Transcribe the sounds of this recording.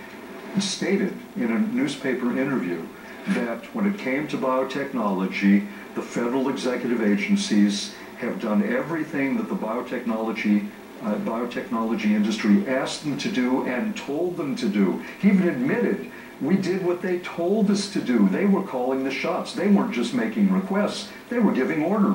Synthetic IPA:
steɪɾɨɾɨ̃nɨnʉz̥pʰeɪpə˞ʔɪ̃ɾ̃ə˞vjʉ | ðɨt̚wə̃nɨt̚kʰẽɪ̃mtʰɨbaɪoʊtʰɛk̚nɑlˠəd͡ʒi | ðəfɛɾə˞l̩ˠɨɡzɛkjɨɾɨveɪd͡ʒɨ̃n̩siz̥ | ɨvdʌ̃nɛvɹiθɪ̃ŋðɨt̪̚ðəbaɪoʊtʰɛk̚nɑlˠəd͡ʒi | baɪoʊtʰɛk̚nɑlˠəd͡ʒiɪ̃ndɨstɹ̥iʔæs̚ð̃mtʰɨdɨɨ̃ntʰoʊlˠd̪̚ðə̃mtʰɨdɨhiivɨ̃nɨd̚mɪɾɪd̚ | widɪd̚wʌt̪̚ðeɪtʰoʊlˠdʌstʰɨdɨðeɪwə˞kʰɔlˠɪ̃ŋðɨʃɑtsðeɪwə˞d͡ʒʌst̚meɪkɪ̃ŋɹɨkʰw̥ɛsts | ðeɪwə˞ɡɪvɪ̃ŋɔɹɾə˞

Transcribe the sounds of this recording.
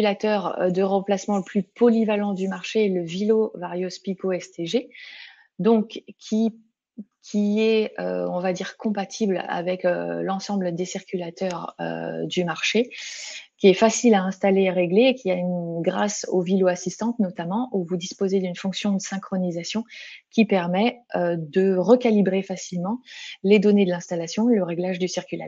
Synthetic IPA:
lat̪œʁ̰d̪əʁɑ̃plasmɑ̃ləplypɔlivalɑ̃d̪ymaʁʃeːləvilovaʁjospikoɛst̪eʒe | d̪ɔ̃kkʰʲi | kʲʰiɛø̰ɔ̃vad̪iʁkɔ̃pat̪ʰibla̰vɛkø̰lɑ̃sɑ̃bləd̪esiʁkʲylat̪œʁø̰d̪ymaʁʃe | kʲiɛfasilaɛ̃st̪aleʁeɡleːkʲiaynɡʁasoviloasist̪ɑ̃t̪nɔt̪amɑ̃ʔuvud̪ispozed̪ynfɔ̃ksjɔ̃d̪əsɛ̃kχɔnizasjɔ̃kʲipɛʁmɛød̪əʁəkalibʁefasilmɑ̃led̪ɔned̪əlɛ̃st̪alasjɔ̃ləʁeɡlaʒd̪ysiʁkʲyla̰

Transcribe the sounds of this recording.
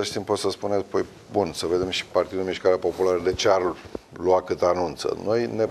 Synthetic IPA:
elʃt̪impo̞t̪səspune̞t̪pəj | bunsəve̞d̪e̞mʃi̥part̪id̪umiʃkaɾeapo̞pulaɾəd̪e̞t͡ʃearlwakɨt̪anunt̪sə̰no̞jne̞

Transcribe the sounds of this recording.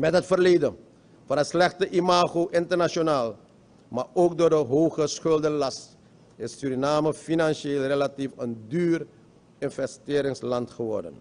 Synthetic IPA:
mɛtɦətfərleːdən | fɑnəslɛχtəʔimaːχowʔɪntərnaʃonaːlˠ | maːɹowkdoːɹdəɦowχəsχʏlˠdənlɑst | ɪsːyɾinaːməfinɑnʃeːlˠrelatifəndyːr | ɪnvɛstɪːɾɪŋslɑntχəʋɔrdə̰n

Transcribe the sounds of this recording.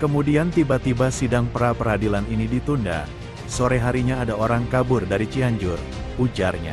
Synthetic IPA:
kəmudiant̪ibat̪ibasidaŋpəɾapəɾadilaninidit̪unda̰ | soɾeɦaɾiɲaːdaoɾaŋkabʊrdaɾit͡ʃiaɲd͡ʒʊr | ud͡ʒarɲa̰

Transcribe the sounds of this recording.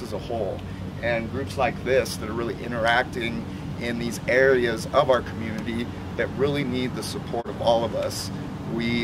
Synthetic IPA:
əzəhoʊlˠ | ʔɨ̃nɡɹʉpslaɪk̚ðɪsðɨɾə˞ɹɪlˠiʔɪ̰̃ɾ̃ə˞æk̚tɪ̃ŋ | ɪ̃nðizɛɹiɨzʌvaʊə˞kʰm̩jʉnɨɾi | ðɨt̚ɹɪlˠinid̪̚ðəsəpʰɔɹɾʌvɔlˠʌvʌs | wi

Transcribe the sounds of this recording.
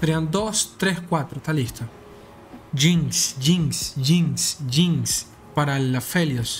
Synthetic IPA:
ɾeand̪ost̪ɾehkʷat̪ɾot̪aliht̪o | d͡ʒiŋsd͡ʒiŋsd͡ʒiŋsd͡ʒiŋs | paɾalafeljos

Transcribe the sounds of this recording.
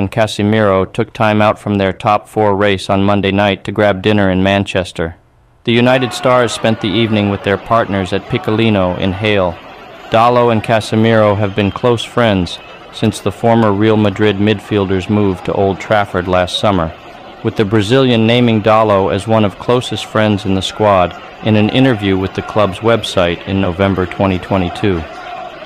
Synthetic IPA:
ɨ̃nkʰæsɨmɪɹoʊtʰʊk̚tʰãɪ̃maʊtfɹʌ̃mðə˞tʰɑpfɔɹɹeɪsn̩mʌ̃ndeɪnaɪtʰɨɡɹæb̚dɪ̃nə˞ɨ̃nmæ̃nt͡ʃɛstə˞ | ðɨjʉnaɪɾɨd̥stɑɹz̥spɛ̃nðiivnɪ̃ŋwɨðə˞pʰɑɹtⁿnə˞zɨt̚pʰɪkəlĩnoʊʔɪ̰̃nɦeɪlˠd̥ɑlˠoʊɨ̃nkʰæsɨmɪɹoʊɨvbɨ̃nkʰl̥oʊsfɹɛ̃ndz̥ | sɪ̃nsðəfɔɹmə˞ɹilˠmədɹɪd̚mɪd̥filˠdə˞zmuv̥tʰə̰ʔo̰ʊlˠd̚tʰɹ̥æfə˞dˡlæstsʌmə˞ | wɨðɨbɹɨzɪlˠjɨ̃nːẽɪ̃mɪ̃ŋdɑlˠoʊɨzwʌ̃nʌv̥kʰl̥oʊsɨstfɹɛ̃ndzɨ̃n̩ðəskwɑɾ | ʔɨ̃nɨ̃nʔɪ̰̃ɾ̃ə˞vjʉwɨðɨkʰl̥ʌbzwɛb̥saɪɾɨ̰̃nːoʊvɛ̃mbə˞tʰw̥ɛ̃ɾ̃itʰw̥ɛ̃ɾ̃itʰʉ

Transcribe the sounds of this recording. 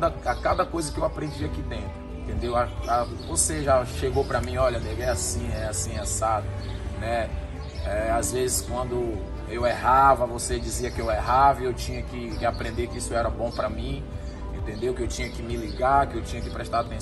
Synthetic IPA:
d̪ɐakad̪ɐkojzɐkɪewapɾẽd͡ʒiɐkɪt̪ẽʊẽnt̪ẽnd̪ewaa | voseʒaʃeɡowpɾɐmĩɔʎɐneɡɛasĩɛasĩasad̪ʊ | nɛ | ɛazvezɪskwɐ̃nd̪ʊ | ewɛɦavɐvosed͡ʒiziɐkɪewɛɦavɪewt͡ʃĩɲɐkɪkɪapɾẽnd̪ekɪisʊɛɾɐbõw̃pɾɐmĩ | ḛ̃nt̪ẽnd̪ewkɪewt͡ʃĩɲɐkɪmɪliɡaɾkɪewt͡ʃĩɲɐkɪpɾɛʃt̪aɾat̪ẽ

